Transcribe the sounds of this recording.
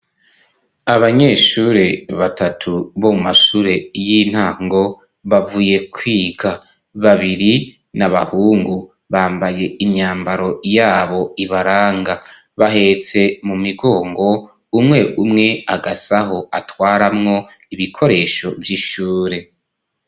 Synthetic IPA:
aβaɲe̞ːʃuːɾe̞βatʰatʰuβo̞mumaʃuːɾe̞jin̥haːŋɡo̞ | βavuːje̞kʰwiːɡa | βaβiɾi | naβa̰huːŋɡu | βaːmbaje̞iɲɲaːmbaɾo̞jaːβo̞iβaɾaːŋɡa | βaɦe̞t͡se̞mumiɡo̞ːŋɡo̞ | umŋe̞ʔumŋe̞aɡasaɦo̞atwaːɾamŋo̞ | iβikʰo̞ɾe̞ʃo̞vjiʃuːɾe̞

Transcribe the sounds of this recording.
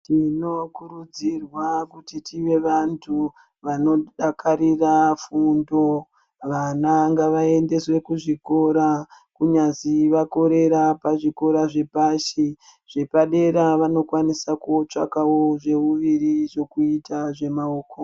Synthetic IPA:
tino̞kuɾud͡zirwakutitʰiʋe̞ʋantʰu | ʋano̞ɗakʰaɾirafundo̞ | ʋanaŋɡaʋae̞nde̞swe̞kuʐiko̞ɾa | kuɲaziʋako̞ɾe̞ɾapaʐiko̞ɾaʐe̞paʃiʐ̥e̞paɗe̞ɾaʋano̞kwanisakuot͡ʂa̰kawo̞ʐe̞uʋiriʐo̞kuitaʐe̞maoːko

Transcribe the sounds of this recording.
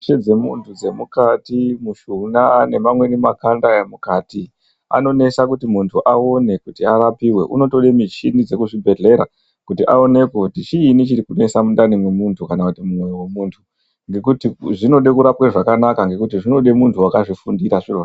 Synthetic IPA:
t͡ʃed͡ze̞muntʰud͡ze̞mukatimuʃunane̞mamwe̞nimakandaemukaːti | a̰no̞ne̞sakutimuntʰuʔao̞ne̞kutiaɾapiwe̞ʔuno̞to̞ɗe̞mit͡ʃinid͡ze̞kuʐibʱe̞ɮe̞ɾa | kutiʔao̞ne̞kotit͡ʃiːnit͡ʃiɾikune̞samundanimwemuntʰukanakutimumwe̞jowe̞muːntʰu | ŋɡe̞kutiʐino̞ɗe̞kuɾapweʐakanakaŋɡe̞kutiʐino̞ɗe̞muntʰuwakaʐifundiɾaʐiro

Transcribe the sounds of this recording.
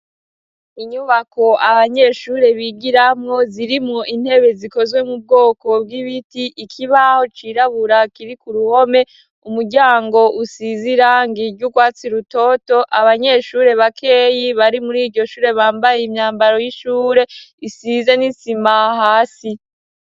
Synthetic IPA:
iɲuβako̞ʔaβaɲe̞ːʃuːɾe̞βiɡiɾamŋo̞ziɾimŋoʔin̥he̞βe̞ziko̞zwe̞mub̚ɡo̞ːko̞b̚ɡiβitiʔikʰiβaho̞t͡ʃiɾaβuɾakiɾikuɾuho̞me̞ | umuɾɟaːŋɡo̞ʔusiziɾaŋɡiɾɟuɡwaːt͡siɾuto̞to̞ʔaβaɲe̞ːʃuːɾe̞βakʰe̞jiβaɾimuɾiːɾɟo̞ʃuːɾe̞βaːmbajeimɲaːmbaɾo̞jiʃuːɾe̞isize̞nisimahaːsi

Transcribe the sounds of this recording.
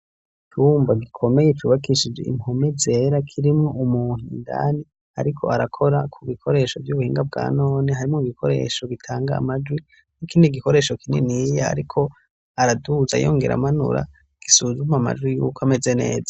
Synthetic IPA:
it͡ʃuːmbaɡikʰo̞mejet͡ʃuːβakiʃid͡ʒeḭmho̞meze̞ɾakʰiɾimŋo̞ʔumuːn̥inda̰ni | a̰ɾikʰo̞̰aɾakʰo̞ɾakʰuβikʰo̞ɾe̞ːʃovjuβuhiːŋɡab̚ɡa̰ːno̞ːneɦaɾimŋoiɡikʰo̞ɾe̞̰ːʃo̞ɡitʰaːŋɡa̰ːmad͡ʒwi | nikiːndiɡikoɾe̞ːʃo̞kininijaa̰ɾikʰo̞ | aɾaduza̰jo̞̰ːŋɡe̞ɾa̰manṵɾa̰ | ɡ̥isuzumama̰d͡ʒwijṵːkʰoame̞ze̞ne̞̰ːza

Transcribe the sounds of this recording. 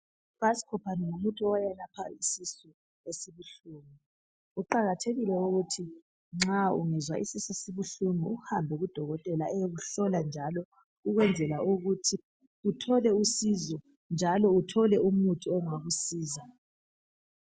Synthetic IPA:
pasi̥kʰɔpʰanɛŋumutʼuɔjalapʰaisisɔ | esiβuɬuːmi | uǃaɣatʰeɣilɛuɣutʰi | ŋ͡ǁaṵŋɛzwa̰ʔisisesiβuɬumiuhambʱɛɣud̥ʱɔɣɔtʼɛlaeɣuɬɔland͡ʒʱalɔ | uɣwɛnd͡zʱɛlauɣutʰi | utʰɔlɛusizɔ | nd͡ʒʱalɔutʰɔlɛumutʼuɔŋaɣusiːza

